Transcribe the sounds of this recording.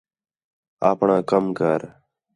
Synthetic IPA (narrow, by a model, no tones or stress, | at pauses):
a̰ːpɳãːkəmka̰ːɾ